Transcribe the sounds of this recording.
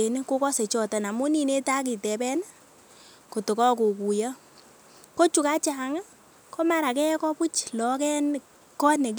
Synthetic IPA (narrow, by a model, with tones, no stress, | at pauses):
e˨n˦ko˦kɔ˦se˨t͡ʃɔ˨ta˨na˨mu˦ni˦ne˦ta˦k̬i˨tɛ˨pɛ˦n˦ | ko˨tʊ˨kɔ˦k̬u˨ku˨ja˦ | ko˦t͡ʃu˨ka˦t͡ʃa˨ŋa˦ | kɔ˦ma˦ɾa˨kɛ˦kɔ˦pu˦t͡ʃlɔ˨kɛ˦n | kɔ˦tne˨k